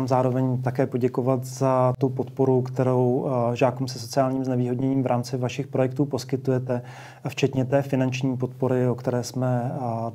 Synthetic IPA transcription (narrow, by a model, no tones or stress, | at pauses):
amzaːɾo̞vɛɲt̪akɛːpo̞ɟɛko̞vat̪zat̪upo̞t̪po̞ɾukt̪ɛɾo̞wʒaːkumsɛso̞t͡sɪaːlɲiːmznɛviːɦo̞dɲɛɲiːmvɾʔaːmt͡sɪvaʃɪxpɾo̞jɛk̚t̪uːpo̞skɪt̪ujɛt̪ɛ | ft͡ʃɛt̪ɲɛt̪ɛːfɪnant͡ʃɲiːpo̞t̪̚po̞ɾɪokt̪ɛɾɛːsmɛ